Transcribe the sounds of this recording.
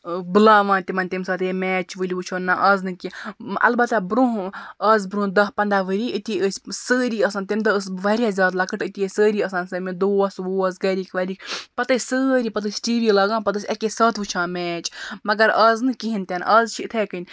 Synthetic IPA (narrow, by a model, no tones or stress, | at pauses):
bɨlaːʋãːnt̪imɐnʲt̪imsɐːt̪emɛːt͡ʃʰʋɨlʲiʋut͡ʃʰoːnːaʔɐznɨkiʔɐ̰lbɐt̪abɾuɦɐzbɾũːd̪ɐɦpɐnd̪aʋɨɾʲiɨt̪ʲiəsʲsəːɾiɐsaːnt̪imd̪ɐəs̬ʋɐɾʲjazʲaːd̪lɐkɨʈɨt̪ʲiesəːɾiːɐsaːnsɐmĩd̪oːsʋoːsɡɐɾʲiːkʰʋɐɾʲiːkpɐt̪ɨsʲsəːɾʲipɐt̪̬ɨsʲʈiːʋiːlɐːɡãːnpɐt̪ɨsʲɐkesɐːt̪ʰʋɨt͡ʃʰãːmɛːt͡ʃmɐɡɐɾɐznɨkiɦint̪ʲenʔɐzt͡ʃʰit̪ʰekɨnʲ